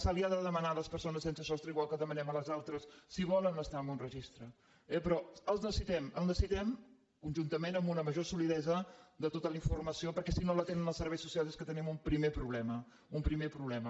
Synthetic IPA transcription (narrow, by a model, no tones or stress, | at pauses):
səliaðəðəmənaləspəɾsonəssensəsɔst̪ɾəiɣwalˠkəðəmənɛmələzalˠt̪ɾəssiβ̞ɔlənəst̪aəmbunrəʒist̪ɾə | ɛpɾɔəlˠznəsəsit̪ɛmə̰lˠnəsəsit̪ɛm | kunʲʒunt̪əmenəmbunəməʒosuliðɛzəd̪ət̪ot̪ələiɱfurməsiopəɾkɛsinolət̪enənəlˠsəɾβejsusialzeskət̪ənimumpɾimepɾuβlɛmə | umpɾimepɾuβlɛmə